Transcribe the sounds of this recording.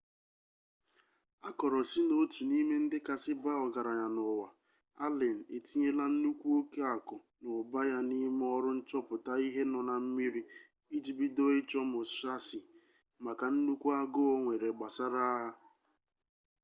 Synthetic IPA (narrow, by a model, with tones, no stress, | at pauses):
a˦kɔ˨ɾɔ˨si˦no˦tu˨ni˦me˦n̩˦dɪ˦ka˨sɪ˦ba˦ɔ˨ɡa˨ɾa˨ɲa˨nʊ˨wa˨ | a̰˦le˨n̩˨e˨ti˦ɲe˦la˦n̩˦nu˦kʷu˦o˦ke˦a˨kʊ˨ | nʊ˨ʊ˨ba˦ja˦ni˦me˦ɔ˦ɾʊ˦n̩˦t͡ʃɔ˦pʊ˨ta˦i˦ɦe˦nɔ˨na˨m̩˦mi˦ɾi˦ | i˦d͡ʒi˦bi˦do˦ɪ˦t͡ʃɔ˦mʊ˨sa˦sɪ˨ | ma˨ka˨n̩˦nu˦kʷu˦a˦ɡʊ˦o˦ŋʷe˨ɾe˨ɡ͡ba˨sa˦ɾa˦ɦa˦